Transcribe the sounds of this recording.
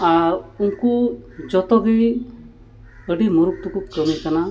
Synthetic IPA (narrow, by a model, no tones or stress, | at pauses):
aɾuŋkud͡ʒɔt̪ɔɡi | əɖimuɾuk̚t̪ukukɾəmikana